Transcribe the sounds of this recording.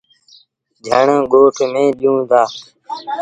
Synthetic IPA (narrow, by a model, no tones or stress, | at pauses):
d͡ʒʱəɳẽːɡoːʈʰmẽːɗjũːd̪aː